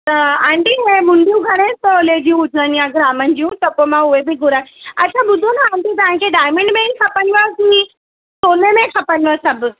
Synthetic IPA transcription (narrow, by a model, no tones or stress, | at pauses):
t̪ɐãːɳɖiɛ̃ːmʊ̃ɳɖʱijũɡʱɐɽ̃et̪ɐʊled͡ʑiũʊd͡ʑʱnənɪjãɡɾaːmənɪ̆d͡ʑijũt̪ɐpomãʊɦebɪɡʊɾaːɐt͡ɕʰaɓʊd̪ʱonaãːɳɖit̪̬ɐʋãkʰeɖaːɪmẽɳɖmẽkʰɐpəniʋakĩ | soːnemẽkʰɐpəniʋasɐbʱʊ̆